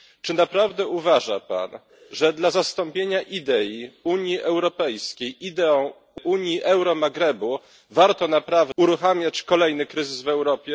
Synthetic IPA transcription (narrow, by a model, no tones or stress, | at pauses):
t͡ʂɘnapɾavd̪ɛuvaʐa̰pa̰n | ʐɛd̪lazast̪ɔmpʲjeɲaʔid̪ɛjiuɲjiʔɛwɾɔpɛjskʲejʔid̪ɛɔ̃ | uɲjiʔɛwɾɔmaɡɾɛbu | vaɾt̪ɔnapɾavuɾuxamʲjat͡ɕkɔlɛjnɘkɾɘzɘsvɛwɾɔpʲjɛ